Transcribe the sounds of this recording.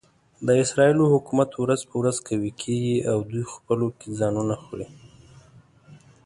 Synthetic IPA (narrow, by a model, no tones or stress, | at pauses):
d̪əɪsɾɑilohʊkumat̪əwɾazpəwɾazkʰawikʰeɡiawd̪ujxpəlokezɑnunaxɽi